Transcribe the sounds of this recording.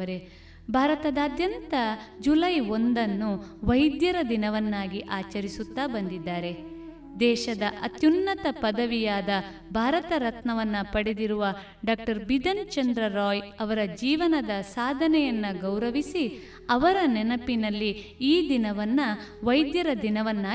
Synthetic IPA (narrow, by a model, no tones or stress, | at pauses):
ɐɾe | bʱaːɾɐt̪ɐd̪aːd̪jɐnt̪ɐd͡ʒulɐjo̞nd̪ɐnːuʋɐjd̪jɐɾɐd̪inɐʋɐnːaːɡiʔaːt͡ʃɐɾisut̪ːaːbɐnd̪id̪ːaːɾe̞ | d̪ɛːʃɐd̪ɐʔɐt̪junːɐt̪ɐpɐd̪ɐʋijaːd̪ɐ | bʱaːɾɐt̪ɐɾɐt̪nɐʋɐnːɐpɐɽed̪iɾuʋɐ | ɖaːk̚ʈɐɾbid̪ɐnt͡ʃɐnd̪ɾɐɾɔːjɐʋɐɾɐd͡ʒiːʋɐnɐd̪ɐsaːd̪ʱɐnɛjɐnːɐɡɐwɾɐʋisi | ɐʋɐɾɐnɛnɐpinɐlːi | iːd̪inɐʋɐnːɐ | ʋɐjd̪jɐɾɐd̪inɐʋɐnːaː